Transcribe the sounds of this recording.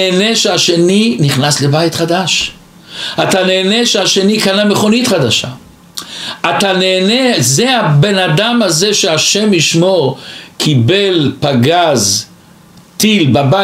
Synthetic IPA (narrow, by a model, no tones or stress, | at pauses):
eːneʃeaʃe̞niniχnasle̞bajt̪χad̪aʃ | at̪ane̞ːneʃeaʃe̞nikanameχo̞nit̪χad̪aʃa | at̪aneːnezeabe̞nad̪amhazeʃeaʃemiʃmo̞ʁkʰibelpaɡaz | t̪ilbaba